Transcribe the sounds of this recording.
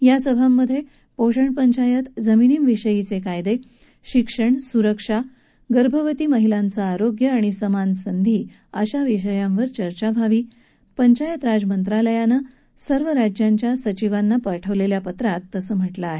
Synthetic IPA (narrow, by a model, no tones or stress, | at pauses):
jasəbʱamːəd̪ʱːje | poɕəɳpəɲt͡ɕajət̪d͡zəminiːmʋiʂəjit͡sekajd̪e | ɕikʂəɳsuɾəkʂa | ɡəɾbʱəʋət̪iːməɦilant͡saːɾoɡjəaɽ̃isəmansənd̪ʱiː | əɕaʋiʂ̬əjãmʋəɾt͡ɕəɾt͡ɕabʱaʋiː | pəɲt͡ɕajət̪ɾad͡zmənt̪ɾaləjanə | səɾʋəɾad͡ʑjaɲt͡ɕjasət͡ɕiʋanːapəɾʈʰəʋleljapət̪ɾat̪ːəsəːm̤əʈlaːɦe